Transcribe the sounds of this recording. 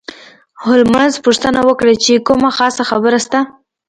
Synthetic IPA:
hʊlmanzpuʂt̪ənawəkɽat͡ʃekumaxɑsaxabəɾast̪a

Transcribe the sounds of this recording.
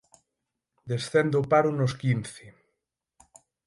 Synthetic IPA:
d̪esθend̪opaɾʊnoskinθɪ

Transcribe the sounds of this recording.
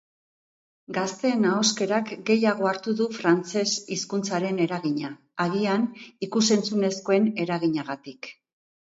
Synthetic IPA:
ɡast̪e̞ːnaoske̞ɾakɡe̞jaɣ̞o̞aɾt̪uðufɾant͡se̞siskunt͡saɾe̞ne̞ɾaɣiɲaː | ɣianikuse̞nt͡sune̞sko̞e̞ne̞ɾaɣiɲaɣat̪ik

